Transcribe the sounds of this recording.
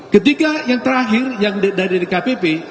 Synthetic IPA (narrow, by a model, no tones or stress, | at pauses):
kət̪ikajaŋt̪əɾaɦɪrjaŋddaɾilekapepe